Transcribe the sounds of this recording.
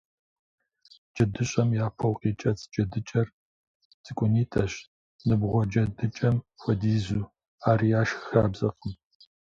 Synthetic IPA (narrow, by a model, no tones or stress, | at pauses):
d͡ʒɐdɨɕʼɐmjaːpʰɐwqʼiːt͡ʃʼɐt͡sʰʼd͡ʒɐdɨt͡ʃʼɐr | t͡sʼɨkʷʼʊniːtʰɐɕ | nɨbʁʷɔd͡ʒɐdɨt͡ʃʼɐmxʷɔdiːzuː | aːɾiːaːʃxxaːbzɐqəm